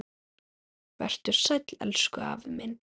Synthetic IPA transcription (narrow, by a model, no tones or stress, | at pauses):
vɛ̰r̥t̪ʏɾ̥sɛt̪lɛ̰lskʏa̰vmɪn